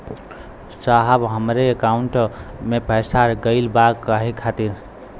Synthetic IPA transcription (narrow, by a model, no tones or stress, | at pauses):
saɦəbɦəmɾeːkauɳʈmepəjsaɾɡəɪlbakːəɦikʰat̪iɾ